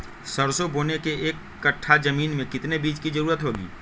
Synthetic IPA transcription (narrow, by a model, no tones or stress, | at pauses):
sɐɾsoboːnekeeːkːɐʈʰːad͡ʒɐmiːnmẽkɪt̪nebiːt͡ʃkid͡ʒɐɾuːɾət̪ɦoːɡḭː